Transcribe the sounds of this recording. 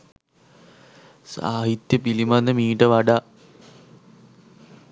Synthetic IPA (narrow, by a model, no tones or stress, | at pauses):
sa̰ːɦit̪jɐpilimanːəmiːʈəʋaɖa